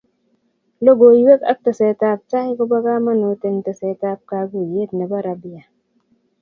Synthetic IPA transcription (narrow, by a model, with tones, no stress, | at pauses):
lo˦ɡo˨jwe˦ka̰˦k̚tə˨se˨ta˦p̚t͡ʃa˦i˦ko˦ba˦ɡa˦ma˦no˨te˦ŋte˨se˨ta˦p̚ka˧ɡu˨je˦tne˨ba˦ɾa˨bi˦ja˨